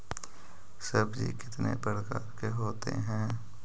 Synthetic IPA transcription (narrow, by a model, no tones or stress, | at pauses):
səbd͡ʒḭkɪt̪nḛpəɾkaːɾkeɦoːt̪ḛɦɛ̃ː